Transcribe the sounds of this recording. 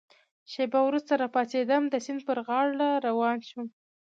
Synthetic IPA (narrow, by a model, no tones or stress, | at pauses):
ʃebawɾust̪aɾɑpɑsed̪əmd̪əsɪnd̪̚pəɾɣɑɽlaɾawɑnʃum